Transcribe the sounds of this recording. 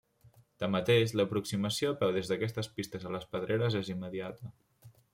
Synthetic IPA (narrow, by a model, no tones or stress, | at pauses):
t̪amːət̪eʃləpɾuksiməsiopɛwðezðəkɛst̪əspist̪əzələspəðɾʔeɾəzezimːəðiat̪ə